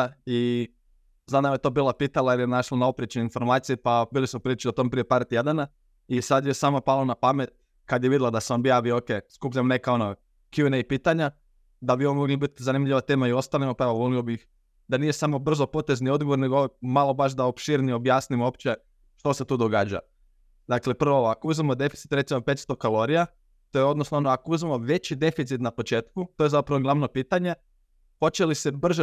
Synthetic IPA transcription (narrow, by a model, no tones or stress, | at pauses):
i | zad̪namjet̪o̞ːbiːlˠapiːt̪alˠaeɾjenaʃlˠanaopɾiet͡ɕeneinfo̞ɾmaːt̪sijipabiːlˠismopɾilit͡ʃiot̪ompɾijepaːɾt̪je̞d̪ana | isad̪jesaːmapalˠonapamet̪̚ | kad̪jeʋid̪ilˠad̪aseonbijaːʋioːkeskupʎamne̞kao̞no | kjuneipiːt̪aɲa | d̪abionmoɡlibit̪zanimʎʲiʋat̪eːmaio̞st̪alimopeʋovoliobix | d̪anije̞samo̞br̩zo̞po̞t̪e̞znio̞d̪ɡoʋo̞ɾneɡomalˠo̞baʃd̪aopʃiɾnio̞bjaːsnimopt͡ɕe̞ | ʃt̪o̞se̞t̪uːd̪o̞ɡaːd͡ʑa̰ | d̪akle̞pr̩ʋooakouzmemo̞d̪e̞fit̪si̥t̪ɾe̞t̪simape̞t̪st̪o̞kalˠo̞ɾija | t̪o̞jeo̞d̪nosnoonoakouzmemo̞ʋe̞t͡ɕid̪e̞fit̪sit̪napo̞t͡ʃe̞ːt̪kut̪o̞je̞zapɾaʋoɡlˠaʋno̞piːt̪aɲe̞ | po̞t͡ɕe̞lisebr̩ʒe